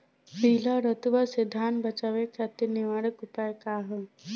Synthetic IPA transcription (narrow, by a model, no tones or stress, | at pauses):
piɦlaɾət̪uʋased̪ʱaːnbɐt͡ʃaʋekʰjat̪iniʋaɾəkupaːjkaːɦə